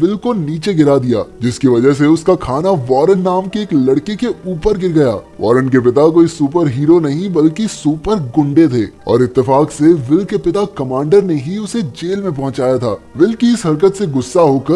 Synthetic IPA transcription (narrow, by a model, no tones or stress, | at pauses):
ʋɪlkoniːt͡ʃeɡɪɾad̪ija̰ːd͡ʒɪskiʋɐd͡ʒəɦs̬eʊskakʰaːnaʋɔːɾənːaːmkeːklɐɽkekeuːpəɾɡɪɾɡɐja̰ːʋʔɔ̰ːɾənk̬ep̬ɪt̪akoːisuːpəɾɦiːɾonɐɦĩbɐlkisuːpəɾɡʊ̃ɳɖet̪ʰeːɔ̰ːɾɪt̪ːɪfaːkseʋɪlkepɪt̪akɐmãːɳɖəɾneɦiʊsed͡ʒeːlmẽpɐ̃ɦʊ̃t͡ʃaːjat̪ʰaːʋɪlkiɪsɦɐɾkət̪seɡʊsːaɦoːkəɾ